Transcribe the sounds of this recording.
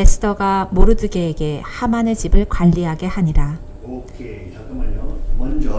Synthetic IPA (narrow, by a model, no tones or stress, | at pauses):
esʰɯ̥tʰʌɡamoɾɯdɯɡeːɡe̞hamanet͡ɕibɯɭkwaʎːiɦaɡe̞haɲiɾa